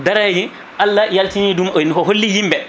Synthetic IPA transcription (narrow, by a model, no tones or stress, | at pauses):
daɾajd͡ʒi | ʔalːajaltinidumɔjnhɔɦolːijimbɛ